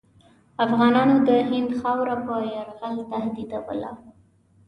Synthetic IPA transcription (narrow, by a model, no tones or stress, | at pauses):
afɣɑnɑnod̪əɦɪnd̪xɑwɾapəjaɾɣalt̪ahd̪id̪awə̰la̰